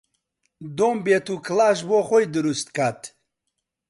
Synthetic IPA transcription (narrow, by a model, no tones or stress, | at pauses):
d̪oːmbet̪ukʰlaːʃboːxojd̪ɨɾust̪kʰat̪